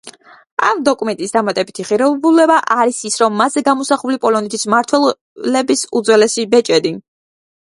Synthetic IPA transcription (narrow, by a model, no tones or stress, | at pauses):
a̰md̪ɔkʼumɛnt̪ʼisd̪amat̪ʼɛbit̪ʰiʁiɾɛbulɛbaʔaɾisisɾɔmːazɛɡamɔsaχulipʼɔlɔnɛt̪ʰismaɾt̪ʰwɛ | lɛbisṵd̪zwɛlɛsibɛt͡ʃʼɛd̪i